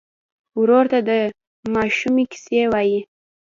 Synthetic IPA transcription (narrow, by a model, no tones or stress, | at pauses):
wɾoɾt̪ad̪ə | mɑʃumikɪ̥sewɑji